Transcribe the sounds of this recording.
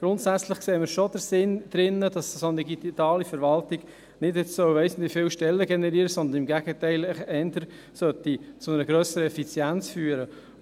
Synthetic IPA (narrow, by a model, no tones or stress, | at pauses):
ɡ̥ɾʊntsæt͡slɪχkseːməɾʃod̥əɾsɪnd̪̥ɾɪnːəd̥ɑssondiɡit̪ɑːlifəɾvɑltiɡ̥ | nɪdɪt͡ssœwveɪsən̩t̪lifɪːwʃtɛlːəɡɛnɛɾiːɾəsɔnd̪ənɪmɡæɡ̥ətæɪləχɛndəɾ | sœtːit͡sʊnɛɾəɡɾœsəɾəɛfit͡sjænt͡sfyːəɾə